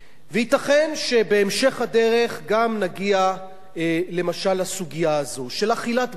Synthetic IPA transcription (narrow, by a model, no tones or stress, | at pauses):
vehitaχe̞nʃe̞be̞ːmʃe̞χhad̪e̞ʁe̞χɡamnaɡia | le̞maʃalasuɡijaːzo̞ʃe̞laχilat